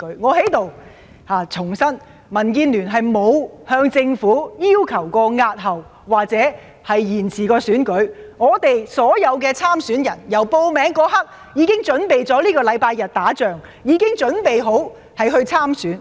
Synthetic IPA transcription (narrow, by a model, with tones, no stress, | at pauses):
ɵ˨˥ŋɔː˨˧he˨˥jt̪o˨w | haː˨t͡sʰʊ˨˩ŋsɐ˥n | mɐ˨˩nkiː˧nlyː˨˩nɦɐ˨jmo˨˧whœː˧ŋt͡sɪ˧ŋfuː˨˥jiː˥wkʰɐ˨˩wkɔː˧ŋaː˧t̚ɦɐ˨˩wːaː˨k̚t͡sɛː˨˥ | hɐ˨jjiː˨˩nt͡sʰiː˨˩kɔː˧syː˨˥nkɵ˨˥ɥŋɔː˨˧t̪e˨jsɔː˨˥jɐ˨˧wk̬ɛː˧t͡sʰaː˥msyː˨˥njɐ˨˩njɐ˨˩wpo˧wmɛː˨˥ŋkɔː˧˥hɐ˥k̚ | jiː˨˧kɪ˥ŋt͡ʃɵ˨˥npe˨jt͡sɔː˨˥liː˥kɔː˧lɐ˨˧jpaː˧jːɐ˨t̚t̪aː˨˥t͡ʃœː˨ŋ | jiː˨˧kɪ˥ŋt͡ʃɵ˨˥npe˨jɦo˨˥w | hɐ˨jhɵ˧ɥt͡sʰaː˥msyː˨˥n